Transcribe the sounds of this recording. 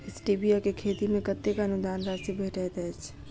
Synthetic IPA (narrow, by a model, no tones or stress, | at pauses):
ɪsʈiːbijakekʰeːt̪imẽkət̪ːekaənʊd̪aːnd̪asibʱeːʈɛt̪ɛt͡ʃʰ